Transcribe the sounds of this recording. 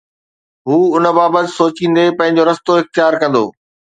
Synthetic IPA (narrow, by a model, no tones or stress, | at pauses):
ɦuːʊnə̆baːbət̪ɪ̥̆soːt͡ɕĩːnd̪epɐ̃ɦɪ̃ɲ̆d͡ʑoɾɐst̪oɦɪxt̪jaːɾkɐ̃nd̪o̰ː